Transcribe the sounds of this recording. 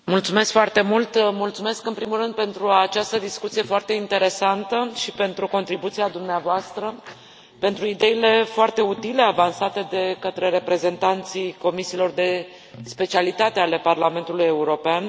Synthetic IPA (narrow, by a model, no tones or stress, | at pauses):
mult̪sume̞skfoart̪e̞mult̪mult̪sume̞skɨnpɾimulrɨnd̪̚pe̞nt̪ɾuat͡ʃast̪əd̪iskut̪sije̞foart̪e̞int̪e̞ɾe̞sant̪əʃipe̞nt̪ɾuko̞nt̪ɾibut̪siad̪umneavoast̪ɾə | pe̞nt̪ɾuid̪e̞ile̞foart̪e̞ut̪ile̞avansat̪e̞d̪e̞kət̪ɾe̞ɾe̞pɾe̞ze̞nt̪ant̪sijko̞misiːlo̞rd̪e̞ | spe̞t͡ʃialit̪at̪e̞ale̞parlame̞nt̪uluje̞uɾo̞pean